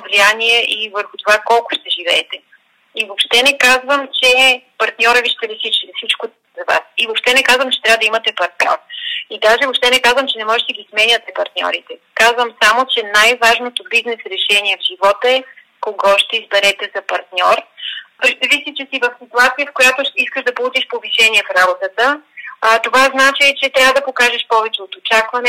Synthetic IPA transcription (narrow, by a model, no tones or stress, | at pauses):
vlijaniɛʔivəɾxʊt̪ovakɔlˠkʊ̥ʃt̪ɛʒivɛːt̪ɛ | ivopʃt̪ɛnɛkazvəmt͡ʃɛpɐɾt̪nʲɔɾəviʃt̪ɛlɛsit͡ʃfsit͡ʃko | zɐva̰sivopʃt̪ɛnɛkazvəmt͡ʃɛt̪ɾavəd̪ɐimɐt̪ɛpɐɾt̪nʲɔ̰ɾid̪aʒɛvopʃt̪ɛnɛkazvəmt͡ʃɛnɛmɔʒɛt̪ɛdəɡʲismɛɲʲət̪ɛpɐɾt̪nʲɔ̰ɾit̪ɛkazvəmsamot͡ʃɛnajvaʒnot̪obiznɛsɾɛʃɛniɛvʒivɔt̪ɛ | koɡɔʃt̪ɛizbɛɾɛt̪ɛzɐpɐɾt̪nʲɔɾpɾizvisʲit͡ʃɛsivɐfsit̪uat̪siəfkojat̪oiskəʒd̪ɐpolˠut͡ʃiʃpoviʃɛniɛfɾabot̪ət̪ə | t̪ovaznat͡ʃit͡ʃɛt̪ɾʲavəd̪ɐpokaʒɛʃpɔvɛt͡ʃɛot̪ot͡ʃakvɐnɛ